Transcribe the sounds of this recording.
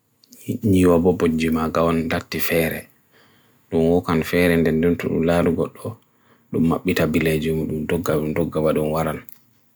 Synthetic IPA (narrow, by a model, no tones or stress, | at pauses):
ɲiwabɔbod͡ʒimaɡawɔndatːifɛːɾɛ̰ | ɗunwɔkanfɛɾɛndɛnduntṵɗṵmlaːɾuɡɔɗːɔ | ɗumːaɓːitabiled͡ʒimuɗumdɔɡːaudɔɡːabaɗunwaɾan